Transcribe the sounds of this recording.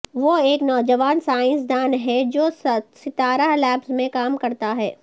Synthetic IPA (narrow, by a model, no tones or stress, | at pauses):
ʋoeːknɔːd͡ʒəʋaːnsaːɪ̃nsd̪aːnɦɛd͡ʒoːssɪt̪aːɾaɦlɛːpsmẽkaːmkɐɾt̪aɦɛː